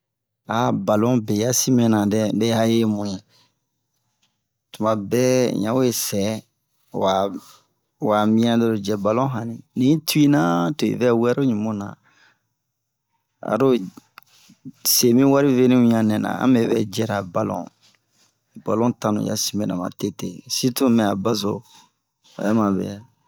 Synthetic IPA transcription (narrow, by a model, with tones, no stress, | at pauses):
a˨ba˨lɔ̃˦bɛ˨ja˦si˦mɛ̃˦nã˨dɛ˦de˦ha˦je˦mũ˨je˨ | tu˨mã˨bɛ̰˦jã̰˦we˦sɛ˨˦˨ | wa˨ | wa˨mĩ˦ã˦do˦ɾo˨d͡ʒɛ˨ba˨lɔ̃˦ɦã˨nĩ˨nĩ˦tu˦i˦nã˦to˨ḭ˨vɛ˦wɛ˦ɾo˦ɲũ˨mo˦nã̰˨ | a̰˨ɾo˦ | se˨mĩ˦wa˦ɾi˦ve˦nĩ˦ũ˨ɲã˨nɛ̃˨nã̰˨ã̰˦mɛ˨bɛ˦d͡ʒɛ˦ɾa˨ba˨lɔ̰̃˨ | ba˨lɔ̃˦tã˦nṵ̃˨ja̰˨si˨mɛ˨nã̰˨mã̰˨te˦te˨si˦tũ˦mɛ̃˨a˨ba˦zo̰˨ | ja˦ma˨bɛ̰˨a˨